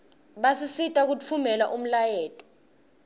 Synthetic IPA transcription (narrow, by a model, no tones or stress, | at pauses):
ɓasisitʼak̬ut͡fʰumɛlaʔum̩lajɛːtʼɔ̥